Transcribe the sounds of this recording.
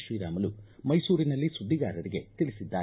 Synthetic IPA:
ʃʋiːɾa̰ːmɐlumɐjsuːɾinɐlːisud̪ʱːiɡaːɾɐɾiɡe̞t̪ilisid̪ːaː

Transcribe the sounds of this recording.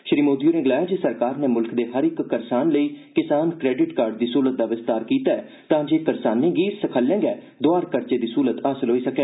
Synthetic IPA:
ʃɾiːmoːd̪iuːnẽːɡɪlaːjaːd͡ʒeːsəɾkaːɾneːmʊlkd̪eːɦəɾɪkːəɾsaːnləiːkɪsaːnkɾɛːɖɪʈkaːɾɖd̪iːsuːlət̪̚d̪aːʋɪst̪aːɾkiːt̪aːɛː | t̪ãːd͡ʒeːkəɾsaːnːeːɡiːɾsəkʰəljɛ̃ːŋɡɛː | d̪oaːɾkəɾt͡ʃeːd̪iːsuːlət̪əsəlɦoːiːsəkɛː

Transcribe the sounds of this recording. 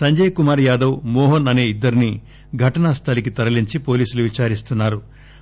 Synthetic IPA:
sɐɲd͡ʒɐjɐkumaːɾjaːd̪ɐwmɔːɦɐnɐne̞ːid̪ːɐɾini | ɡʱɐʈɐnast̪ʰɐlik̬it̪ɐɾɐliɲt͡ʃipoːliːsuluʋit͡ʃaːɾist̪unːaːɾu

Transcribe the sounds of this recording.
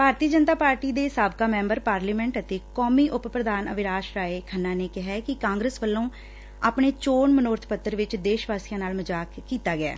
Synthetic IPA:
bʱaːɾt̪iːəd͡ʒənt̪aːpaːɾʈiːd̪eːsaːbkaːmɛ̃ːmbəɾpaːɾliːmɛ̃ːɳʈət̪eːkɔːmiːʔʊppɾəd̪aːnə̰ʋɪɾaːʃɾaːeːkʰənːaːneːkɪɦɛːkɪkãːŋɡɾəːsʋəlːõː | aːpɳeːt͡ʃoːɳmənoːɾt̪ʰpət̪ːəɾʋɪt͡ʃd̪eːʃʋaːsijãːnaːlməd͡ʒaːkkːiːt̪aːɡɪɛ̰ː

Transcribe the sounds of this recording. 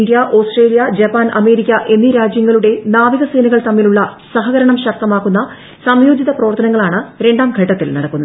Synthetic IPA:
nd̪jɐʔo̞ːsʈreːlijɐd͡ʑɐpːaːnʔɐme̞ːɾikʲːɐʔe̞nːiɾaːd͡ʑjɐŋːɐɭuɽe̞naːʋiɣɐse̞ːnɐɣɐɭt̪ɐmːiluɭːɐ | sɐɦɐɣɐɾɐɳɐmɕɐk̚t̪ɐmaːkːunːɐ | sɐmjoːd͡ʑiðɐprɐʋɐrt̪ɐnɐŋːɐɭaːɳɨɾe̞ɳɖaːmɡʱɐʈːɐt̪ːilnɐɽɐkːunːɐð

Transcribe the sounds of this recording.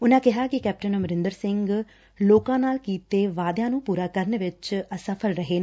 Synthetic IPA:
ʊnãːkɪɦaːkɪkɛːp̚ʈənməɾɪ̃nd̪əɾsɪŋɡ | loːkãːnaːlkiːt̪eːʋaːd̪jãːnũːpuːɾaːkəɾneːʋɪt͡ʃəsəpʰəlɾəɦeːnː

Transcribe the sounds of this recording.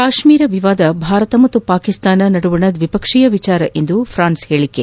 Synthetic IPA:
kaːʃmiːɾɐʋiʋaːd̪ɐbʱaːɾɐt̪ɐmɐt̪ːupaːkist̪aːnɐnɐɽuʋuɳɐd̪ʋipɐkʂijɐʋit͡ʃaːɾɐʔʔend̪upʰɾaːnsheːɭikːe

